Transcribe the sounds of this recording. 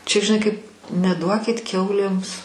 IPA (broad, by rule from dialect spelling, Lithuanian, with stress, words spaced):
t͡ʃʲɛ ʒʲɪˈnɐɪ kɐɪp nʲɛˈduɔkʲɪt ˈkʲɛʊlʲeːms